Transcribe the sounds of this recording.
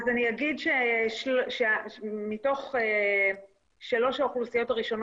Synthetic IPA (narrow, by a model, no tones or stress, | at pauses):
zanijaɡidʃelʃemito̞χe | ʃalo̞ʃaχulsijo̞taʁiʃo̞n